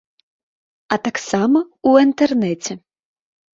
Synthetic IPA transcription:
ɐt̪aksamɐuint̪ɛrnɛt͡sʲɛ

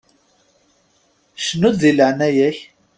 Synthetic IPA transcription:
ʃnud̪ðiləʕnæjæç

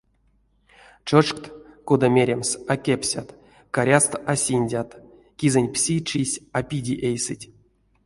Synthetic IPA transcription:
ʈ͡ʂɨʂkt̪kod̪amʲeɾʲemsakʲepʲsʲat̪ | kaɾʲast̪asʲinʲdʲat̪ | kʲizenʲpsʲit͡ʃisʲapʲidʲiʔejsɨtʲ

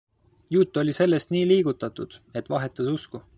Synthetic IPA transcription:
jut̪ːˑo̞lʲise̞lːe̞st̪niːliːɡ̥ut̪ːˑɑt̪ud̪̥e̞t̪ːˑvɑɦe̞t̪ːˑɑsusku

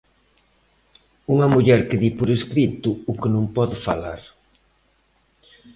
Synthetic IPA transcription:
uŋɐmuʎɛɾkɪðipoɾeskɾit̪ʊːkɪnõmpɔðɪfa̰laɾ

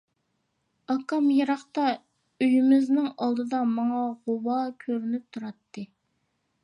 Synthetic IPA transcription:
ɑkɑmjeɾɑχt̪ɑ | øjymɪznɪŋɑlˠd̪ɨd̪ɑmɑŋɑʁowɑkʲʰøɾynyp̚t̪ʰuɾɑt̪ːɨ

